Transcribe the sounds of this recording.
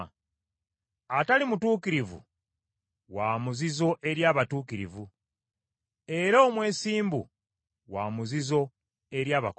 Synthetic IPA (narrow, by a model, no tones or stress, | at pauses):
atalimutuːkiɾivṵ | waːmuzizo̞ʔe̞ɾjaːβatuːkiɾḭvu | e̞ɾaoːmwe̞ːsiːmbṵ | waːmuzizo̞ | e̞ɾjaːβa